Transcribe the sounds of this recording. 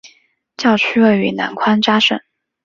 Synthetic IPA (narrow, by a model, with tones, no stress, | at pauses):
t͡ɕjɑ˥˩ʊt͡ɕʰy˥we˥˩ɪy˧˥na̰˧˥nkʰwa˥nʈ͡ʂa˥ʂə˥˩n